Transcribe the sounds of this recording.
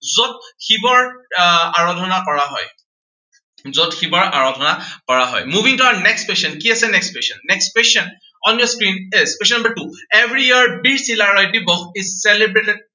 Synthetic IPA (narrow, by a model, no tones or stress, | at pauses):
zot̚xibɔɹ | aɹɔdʱɔnakɔɹaɦɔ̰j | zotxibɔɹa̰ɹɔdʱɔnakɔɹaɦɔ̰jmubʱiŋtɔanɛkspeʃɔnkiasɛnɛkspeʃɔnːɛkspeʃɔn | ɔnjɔskɹinespeʃ̬ɔnambaɹtuevɹiiaɹbiɹsilaɹɔjdibɔxesɛlebɹetɛd̚